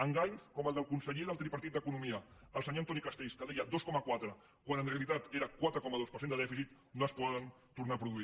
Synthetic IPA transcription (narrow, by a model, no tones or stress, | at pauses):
əŋɡaɲskɔməlˠd̪əlˠkunsəʎeðəlt̪ɾipəɾt̪it̪̚d̪əkunumiəː | lˠsəɲont̪ɔnikast̪ejskəðɛjəd̪oskɔməkwat̪ɾə | kwanənreɐlit̪at̪eɾəkwat̪ɾəkɔməðospəɾsend̪əðɛfisit̪ | noəspɔðən | t̪uɾnapɾuðui